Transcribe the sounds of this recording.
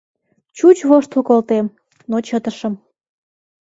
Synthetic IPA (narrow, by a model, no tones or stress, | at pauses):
t͡ɕut͡ɕβoʃt̪ukolt̪em | not͡ɕət̪əʃəm